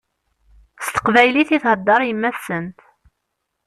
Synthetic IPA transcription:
st̪ə̥qvæjliθiθhəd̪ːɑɾˤjəmːæθsənt̪

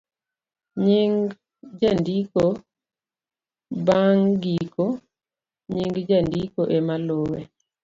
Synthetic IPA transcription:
ɲiŋ | d͡ʒandiko | baŋɡiko | ɲiŋɡd͡ʒandikoʔemalowe

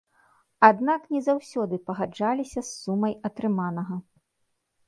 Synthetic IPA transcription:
ad̪naknʲɛzawsʲɔd̪ɨpɐɣad͡ʐalʲisʲɐsːumɐjɐt̪ɾɨmanɐɣɐ

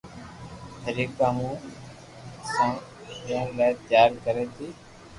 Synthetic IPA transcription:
t̪əɾiːkaːmũː | sãːpenlaːt̪d͡ʒaːɾikəɾeːt̪ʰiː

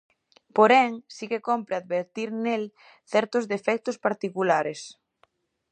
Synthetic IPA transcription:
poɾɛŋsikekompɾeaðβeɾt̪iɾnel | θɛɾt̪ʊzðefɛk̚t̪ʊspaɾt̪ikulaɾes

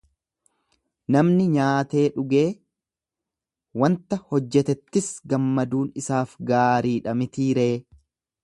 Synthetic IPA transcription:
nɐmnɪɲaːt̪e̞ːᶑʊɡe̞ː | wɐnt̪ɐhɔd͡ʒːɛt̪ɛt̪ːɪsɡɐmːɐd̪uːnɪsaːfɡaːɾiːᶑɐmɪt̪iːɾeː

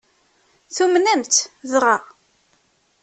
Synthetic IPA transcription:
θumnænt̪ðʁa

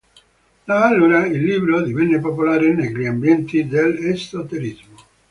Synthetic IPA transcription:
d̪aalːuːɾailːiːbɾod̪ivɛnːepopolaːɾenekɾiambjɛnt̪id̪elest̪ot̪elizmo

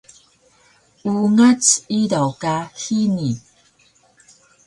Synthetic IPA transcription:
uŋat͡siɾawkahini

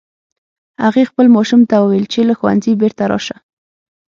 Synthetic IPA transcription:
haɣexpəlmɑʃumt̪awəwelt͡ʃelaxwa̰nzibeɾt̪aɾɑ̰ʃa

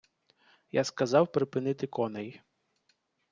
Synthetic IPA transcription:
jaskɐzɑwpɾɪpɪnɪt̪ɪkɔnɛj

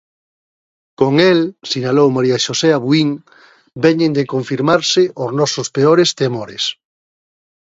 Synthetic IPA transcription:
koŋelsiɲalowmaɾiaʃoseaβwiŋ | bɛɲẽnd̪ekoɱfiɾmaɾsɪʔʊznɔsʊspeoɾest̪emoɾḛs

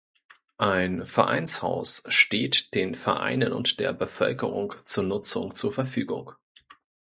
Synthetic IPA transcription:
ʔaɪnfɛɐʔa̰ɪnsha̰ʊsʃteːtd̥eːnfɛɐʔa̰ɪnənʊ̰ntd̥eːɐbəfœlkəʁʊ̰ŋt͡suːɐnʊt͡sʊ̰ŋt͡suːɐfɛɐfyːɡʊ̰ŋ

